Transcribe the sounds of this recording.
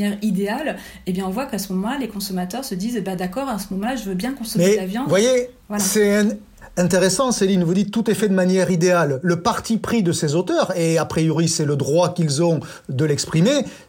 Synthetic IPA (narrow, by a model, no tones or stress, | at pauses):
ɛʁid̪eal | ebjɛ̃ɔ̃vwakasəmɔmɑ̃lalekɔ̃sɔmat̪œʁsəd̪izbad̪akɔʁasəmɔmɑ̃laʒəvøbjɛ̃kɔ̃sɔmɛavjɔ̃vwaje | vwalasɛ̃ | ɛ̃t̪eʁesɑ̃selinvud̪it̪ːut̪ɛfɛd̪əmanjɛʁid̪ealːəpaʁt̪ipχid̪əsezot̪œʁeapχijoʁisɛləd̪ʁwakilzɔ̃ | d̪əlɛkspχime